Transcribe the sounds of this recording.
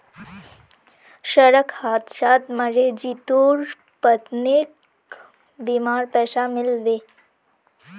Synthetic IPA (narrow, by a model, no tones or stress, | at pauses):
ɕəɾəkhat̪ɕat̪məd͡ʑed͡ʑit̪uɾ | pət̪nek | bimaɾpɛsamilʋe